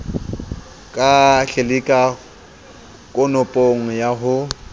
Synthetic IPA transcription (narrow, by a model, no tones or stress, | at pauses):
kʼaɬelɪkʼa | kʼʊnʊpʼoŋ̩jaɦʊ